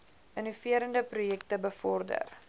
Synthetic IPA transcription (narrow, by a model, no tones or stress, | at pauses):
ʔənufiəɾəndəprujɛk̚təbəfɔrdə̰r